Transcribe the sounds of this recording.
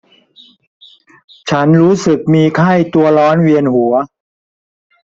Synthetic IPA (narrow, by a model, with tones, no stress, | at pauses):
t͡ɕʰa˦˥nɾuː˦˥sɯ˨˩k̚miː˧kʰa˥˩jt̪u˧ɐlɔː˦˥nwi˧ənhu˩˦ɐ